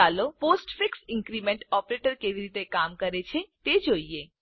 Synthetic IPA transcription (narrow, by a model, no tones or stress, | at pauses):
aloposʈfiksɪ̃ŋkɾimeɳʈɔpɾeʈəɾkeʋiɾit̪ekamkəɾet͡ʃʰet̪ed͡ʒoie